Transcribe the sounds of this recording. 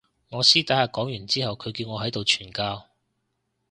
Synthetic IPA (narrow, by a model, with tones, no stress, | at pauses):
ŋɔː˨˧siː˥t̪aː˨˥haː˨˩kɔː˨˥ŋjyː˨˩nt͡siː˥hɐ˨wkʰɵ˨˧ɥkiː˧wŋɔː˨˧ɦɐ˨˥jt̪o˨wt͡ʃʰyː˨˩nkaː˧w